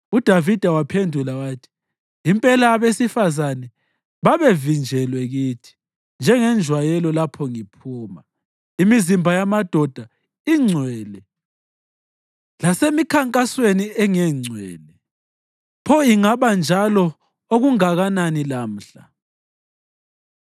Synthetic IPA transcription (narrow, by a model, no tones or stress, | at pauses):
ud̥ʱavid̥ʱawapʰendʱulawaːtʰi̥ː | mpʼɛlaːβesifazanɛ | βaβevind͡ʒʱɛlwɛɣiːtʰi̥ | nd͡ʒʱɛŋɛnd͡ʒʱwajɛlɔlapʰɔŋipʰuːma | imizimbʱajamad̥ʱɔd̥ʱa | iŋ͡ǀʱwɛːlɛ | lasemikʰaŋkʼasweniɛŋɛŋ͡ǀʱwɛ̰ːlɛ | pʰɔiŋaβand͡ʒʱalɔ | oɣuŋaɣananilam̩ɬa